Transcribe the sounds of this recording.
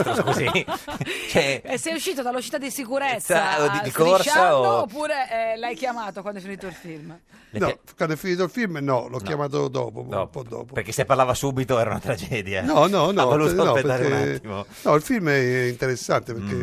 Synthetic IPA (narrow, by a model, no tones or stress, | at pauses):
kozi | t͡ʃɛɛsːɛjuʃːiːt̪od̪alːuʃit̪ad̪isikuɾet̪sːaoid̪ikort͡ʃaaoopːuːɾeɛlajkjamaːt̪okwand̪ɛfinit̪oilfilm | nɔ | kwand̪ɛfːiniːt̪oilfilmnɔlɔkʲːjamaːt̪̬od̪ɔ̰ːpo̰pɔd̪ːɔ̰ːpopeɾkːesːepːaɾlaːvasuːbit̪oɛːɾaṵna̰t̪ɾad͡ʒɛːd̪janɔnɔnɔvolusnɔpet̪peɾːaɾkeat̪imonɔilfilmɛint̪eɾesːant̪epeɾke